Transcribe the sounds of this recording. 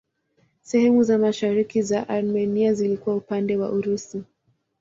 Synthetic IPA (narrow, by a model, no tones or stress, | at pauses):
sɛhɛmuzamaʃaɾikizaʔaɾmɛniazilikuwaupandɛwa̰ʔuɾusi